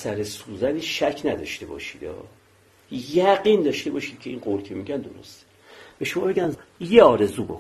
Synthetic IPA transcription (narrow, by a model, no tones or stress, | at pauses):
sæɾesuːzæniːʃæcʰnæd̪ɒ̰ʃt̪e̞bɒ̰ːʃiːd̪ɒ̰ː | jæɡind̪ɒːʃt̪e̞bɒːʃiːd̪̥̚cʰe̞iːnɢolcʰe̞miɟænd̪o̰ɾo̰st̪ | b̥e̞ʃomɒːbe̞ɡɟænjeɒːɾe̞zuːbok